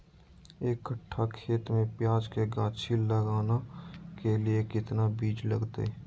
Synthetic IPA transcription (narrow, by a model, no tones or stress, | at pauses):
eːkːəʈʰːakʰeːt̪mẽpjaːd͡ʒkeɡãːt͡ʃʰiləɡaːnakelɪekɪt̪nabiːd͡ʒlə̰ɡt̪ḛ